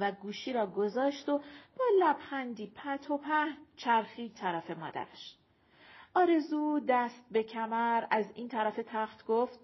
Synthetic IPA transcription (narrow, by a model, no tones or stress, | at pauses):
væɡuːʃiːɾɒːɡozɒːʃt̪ob̥ɒːlæbχænd̪iːpʰæt̪ʰo̞pʰæhnt͡ʃʰæɾxiːt̪ʰæɾæːfe̞mɒ̰ːd̪æ̰ɾæʃ | ʔɒːɾe̞zuːd̪æst̪̚be̞cʰæmæɾæziːnt̪ʰæɾæfe̞t̪ʰæxt̪ɡ̥oft̪̚